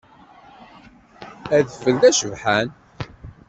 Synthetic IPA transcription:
æðəfːəlðæʃəvħæn

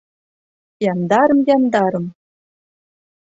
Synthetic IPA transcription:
jɑnd̪ɑɾɤ̆mjɑnd̪ɑɾɤ̆m

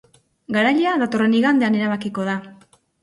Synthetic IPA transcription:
ɡaɾaʎeaðat̪o̞re̞niɣand̪e̞ane̞ɾaβakiko̞ð̞a

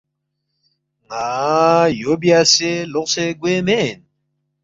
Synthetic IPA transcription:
ŋajobiaseloqseɡwemen

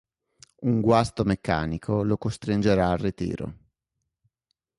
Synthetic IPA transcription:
uŋɡwast̪omekːa̰ːnikʰolokost̪ɾind͡ʒeɾaːrːit̪ḭːɾo̰

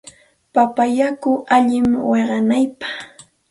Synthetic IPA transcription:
papajakʊʔaʎɪmweɢɑnajpɑ̥χ

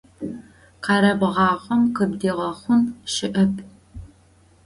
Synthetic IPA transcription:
qɑːɾɐbʁɑːʁʷɔmqəbdiːʁɐχʷʊnʃɪʔɐpʰʼ

